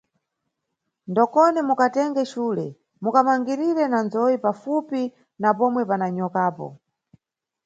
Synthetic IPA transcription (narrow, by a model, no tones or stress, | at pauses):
ndɔkɔnɛmukatɛŋɡɛʃuːlɛ | mukamaŋɡiɾiɾɛnanzɔjipafupi | napɔmwɛpanaɲɔkaːpɔ̰